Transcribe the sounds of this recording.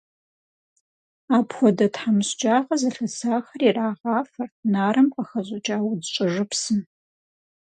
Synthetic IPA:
aːpxʷɔdɐtħamɨɕd͡ʒʼaːʁɐzɐɬɐsaːxɐriraːʁɑːfɐrtʰnaːɾɨmqʼɐxɐʑʼɐd͡ʒʼaːwdt͡ʃʷʼɪʐɨpsɨn

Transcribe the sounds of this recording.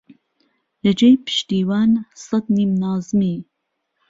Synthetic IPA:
lɐd͡ʒejpʰɨ̥ʃt̪iːwaːnsɐd̪niːmnɑːzmiː

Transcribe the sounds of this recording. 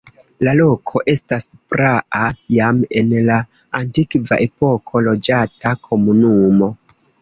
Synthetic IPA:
lalo̞kʰo̞ʔe̞staspɾaʔajame̞nlaː | ntikva̰ʔe̞po̞kʰo̞lo̞d͡ʒatakʰo̞munumo̞

